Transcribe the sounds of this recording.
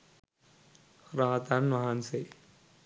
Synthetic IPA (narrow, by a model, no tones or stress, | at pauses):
ɾaːt̪anmaɦanse